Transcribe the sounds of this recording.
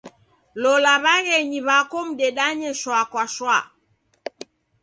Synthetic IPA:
lɔlaβaɣɛɲiβakɔm̩ɗɛɗaɲɛʃwakwaʃwa

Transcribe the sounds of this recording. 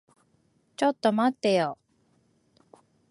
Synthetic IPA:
t͡ɕot̪ːomat̪ːejo

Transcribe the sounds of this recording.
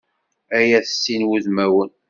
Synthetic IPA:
æjæθsːinwuðmæwən

